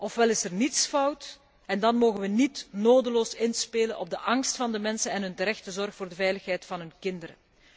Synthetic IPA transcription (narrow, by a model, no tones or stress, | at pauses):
ʔɔfʋɛlɪsɛrnitsfʌwt | ɛndɑnmoːɣənʋənitnoːdəloːsɪnspeːlənʔɔ̰b̚dəʔɑŋstfɑndəmɛnsənɛnɦɵntəɾɛxtəzɔrxfoːrdəvɛjləxɦɛjtfɑnɦɵnkɪndəɾə̰